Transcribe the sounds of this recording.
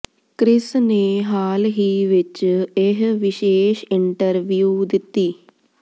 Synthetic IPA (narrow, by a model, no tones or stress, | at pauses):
kɾɪsneːɦaːlɦiːʋɪt͡ʃeɦʋɪʃeːʃɪɳʈəɾʋijuːd̪ɪt̪ːiː